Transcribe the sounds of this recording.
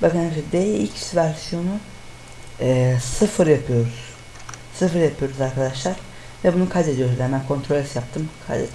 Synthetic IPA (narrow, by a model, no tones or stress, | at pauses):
bakɯnʃɛd̪elilcsvæɾsijo̞nu | ɛːsɯfɯɾjapʰɯjo̞ɾuz̥ | sɯfɯɾjapʰɯjo̞ɾuzaɾkad̪aʃlˠaɾ̥ | vɛbunukʰad̪e̞d̪ijo̞ɾuzɛnbænkʰo̞nt̪ʰɾolʲɛsjap̚t̪ʰɯmkʰa̰d̪ḛ